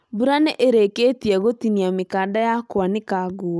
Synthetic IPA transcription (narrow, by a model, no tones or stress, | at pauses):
buɾanɛʔeɾeketiɛɣotiniamekadajakwanekaɡo